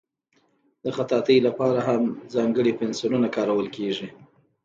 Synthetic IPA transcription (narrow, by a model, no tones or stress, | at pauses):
d̪̥əxat̪ɑt̪əjlapɑɾaɦamzɑŋɡəɽipɛnsinunakɑɾawəlkeʐi